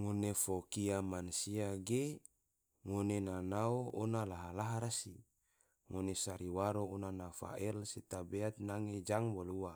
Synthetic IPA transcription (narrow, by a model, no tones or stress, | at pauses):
ŋonefokiamansiaɡe | ŋonenanaoʔonalaɦalaɦaɾasi | ŋonesaɾiwaɾoːnanafa̰ɛlsit̪abeat̪̚naŋed͡ʒaŋwaluwa